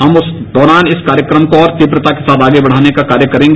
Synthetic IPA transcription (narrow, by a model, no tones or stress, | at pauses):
ɦɐmʊs | d̪ɔːɾaːnɪskaːɾjəkɾəmkoɔːɾt̪ipɾət̪akesaːt̪aːɡebɐɽ̤aːnekakaːɾjəkɐɾẽːŋɡe